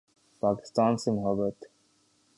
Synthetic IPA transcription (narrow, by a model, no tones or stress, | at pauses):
paːkɪ̥st̪aːnsimʊɦəbət̪